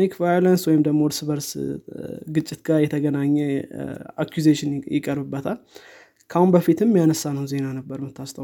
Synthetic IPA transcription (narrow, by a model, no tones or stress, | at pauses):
nikvajolənswɔjɪmd̪əɡmod̪sɨβəɾs | ɡɨt͡ʃʼːɪt̪ɡaɾjɛt̪ʰəɡənaɲːɛ | a̰kʰjuzeʃɪnjɪkʼəɾbɨbːət̪ʰal | kʰahunbəfit̪ɨmːjanəsːanəhwnze̞nanəbːəɾmɨt̪ːast̪ʰʼə